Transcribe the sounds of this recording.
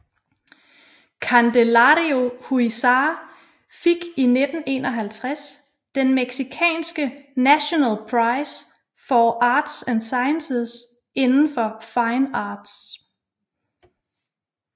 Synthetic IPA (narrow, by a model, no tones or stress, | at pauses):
kʰænd̥elɑɾio̝huisɑ̈ː | feɡ̥ined̥n̩e̝̰ːnɒɦælt͡sʰʁas | d̥enmeɡ̥sikʰɛ̰ːnsɡ̥ənæɕo̝nælpʰʁɑ̈ɪs | fɒʔɑ̈ːd̥sænsɑ̈ɪənses | e̝nn̩fɒ̽fɑ̈ɪnɑːd̥s